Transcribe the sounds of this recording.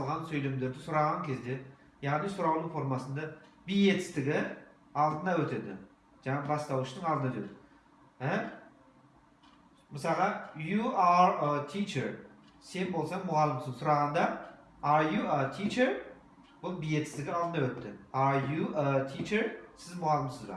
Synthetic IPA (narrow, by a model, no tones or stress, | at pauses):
lˠʁɑnsɵjle̞md̪e̞ɾd̪ɪsʊɾɑʁɑŋkʲʰe̞zd̪e̞ | jɑʁnijsʊɾɑwnˠufo̞ɾmɑsənd̪ɑbije̞t̪ɪ̥st̪ɪɡʲɪ | ɑlˠd̪ənɑwɵt̪e̞d̪ɪ̰ | ʒ̥ɑɴɑbɑst̪ɑwʃt̪əɴɑld̪nɑɵt̪e̞̰d̪ɪ | æ | məsɑlˠʁɑjuaɾət̪ʰit͡ʃeɾ | se̞nbo̞lˠsɑŋmʊʁɑlˠːɪmsəsʊɾɑʁɑnd̪ɑ | aɾjuət̪ʰit͡ʃeɾ | bʊlˠbije̞t̪ɪst̪ɪɡʲɪɑlˠd̪ənawɵt̪ːɪaɾjuət̪ʰit͡ʃeɾsɪzmʊʁɑlˠːɪmsəzbɑ̰